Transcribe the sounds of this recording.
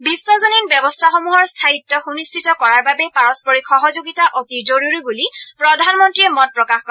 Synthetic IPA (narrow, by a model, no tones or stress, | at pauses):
bisːɔzoninbɛbɔstʰaxɔmuɦɔɹstʰaitːɔxunistʰitɔkɔɹaɹbabɛpaɹɔspɔɹixɔɦɔzoɡitaʔotizoɹuɹibulipɹɔdʱanmɔntɹiɛmɔt̚pɹɔkaxkɔɛ